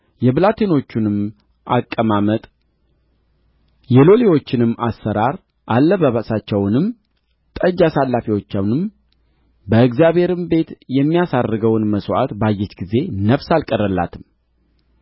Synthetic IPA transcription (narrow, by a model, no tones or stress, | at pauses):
jɛblat̪ʰino̞t͡ʃːunɨm | ʔakʼːəmamət̪ʼ | jɛlo̞lewo̞t͡ʃːɪnɨmːasːəɾaɾ | ʔalːəβəβasat͡ʃːɛwnɨm | t̪ʼəd͡ʒasalːafiwo̞t͡ʃːawnɨm | bəɨɡzijaβhe̞ɾɨmbe̞t̪jɛmːijasadɨɡəwnməswʔat̪bajːɛt͡ʃɡize̞nəfsalkʼəɾəlːa̰t̪ʰɨm